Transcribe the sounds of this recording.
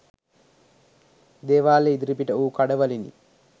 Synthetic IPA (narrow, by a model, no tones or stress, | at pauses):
d̪eːʋaːleid̪ɾipiʈɐuːkɐɽɐʋɐlinḭ